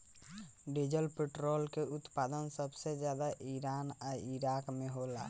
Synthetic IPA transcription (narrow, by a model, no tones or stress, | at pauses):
ɖed͡ʒəlpeʈɾolkeut̪pad̪ənsəbsed͡ʒjad̪aʔiɾanaiɾakmeɦola